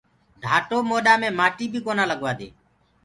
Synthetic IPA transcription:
ɖʱaːʈoːmoːɗaːmẽːmaːʈiːbʱiːkoːnãːləɠʋaːd̪ḛː

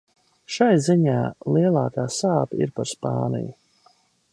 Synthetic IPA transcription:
ʃajziɲaːlˠiɛlˠaːkaːsaːpḭɾpaɾspa̰ːnḭju

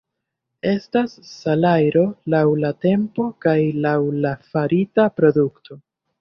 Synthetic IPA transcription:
e̞stasːalajɾo̞lawlate̞mpo̞kajlawlafaɾitapɾo̞duktʰo̞

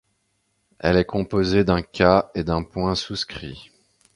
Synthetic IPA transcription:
ɛ̰lɛkɔ̃pozed̪ɛ̃kʲaed̪ɛ̃pwɛ̃suskχḭ

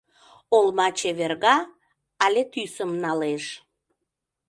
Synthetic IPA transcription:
olmɑt͡ɕeβerɣɑː | lʲet̪ysəmnɑleʃ

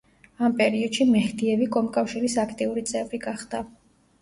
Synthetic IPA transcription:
ampʼɛɾiɔd̪̥ʃimɛhd̪iɛvikʼɔmkʼafʃiɾisakʰt̪ʼiuɾit̪sʼɛvɾiɡaχd̪̥a

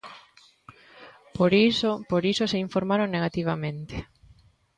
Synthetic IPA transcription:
poɾisopoɾisoseiɱfoɾmaɾoŋneɣat̪iβ̞amẽnt̪e̥

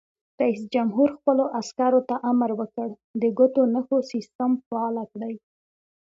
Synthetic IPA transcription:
ɾaisd͡ʒamɦuɾxpəloʔaskaɾot̪aʔamɾwəkəɽ | d̪əɡʊt̪onəxosist̪əmfaɑlakɽəj

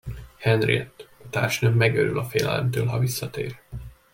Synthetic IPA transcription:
hɛnrḭɛt̪ːɒt̪aːrʃnømmɛɡøɾylɒfeːlɛlɛ̰mt̪øːlɦɒvisːɒt̪eːr

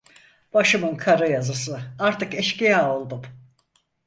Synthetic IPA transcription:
b̥aʃɯmɯnkʰaɾɯjazɯsɯaɾt̪ɯkɛʃcijaːo̞lˠd̪um

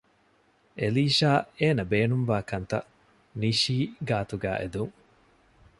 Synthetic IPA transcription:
ʔeliːʃaːeːnɐbeːnumʋaːkɐnt̪ɐ̰ | niʃiːɡaːt̪uɡæ̰ːʔḛd̪uŋ

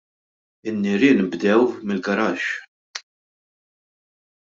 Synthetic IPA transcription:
ɪnːɪɾɪːnbd̪ɛwmɪlɡɐɾɐːʃ

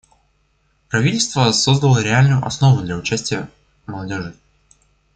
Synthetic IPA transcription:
pɾɐvʲitʲɪlʲst̪vəsozd̪əlˠəɾʲɪalʲnʊjʊʔɐsno̞vʊd̪lʲaʊt͡ɕæsʲtʲɪjə | məlˠɐdʲo̞ʐɨ

